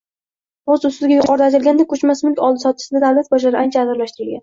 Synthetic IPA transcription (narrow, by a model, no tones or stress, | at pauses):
ɒzʊsɪzɡʲajʊqʰɒɾd̪at̪ɪɾlɡʲand̪akʰɵt͡ʃmasmɪlkʲɒlˠd̪ɪsɒt̪ʰɪ̥ʃsɪd̪ad̪awlat̪̚bɒʃ̬laɾɪʔant͡ʃʰaːzɪɾlaʃt̪ɪɾɪlɡʲan